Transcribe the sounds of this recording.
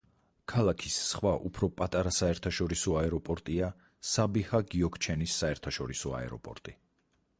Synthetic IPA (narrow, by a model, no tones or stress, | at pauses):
kʰalˠakʰisːχwaʔupʰɾɔpʼat̪ʼaɾasaɛɾt̪ʰaʃɔɾisɔaɛɾɔpʼɔɾt̪ʼia | sabihaɡiɔkʰt͡ʃʰɛnisːaɛɾt̪ʰaʃɔɾisɔa̰ɛ̰ɾɔ̰pʼɔ̰ɾt̪ʼi